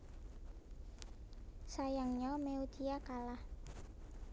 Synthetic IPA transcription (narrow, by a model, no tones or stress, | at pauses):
sajaŋɲɔmeud̪̥iakalah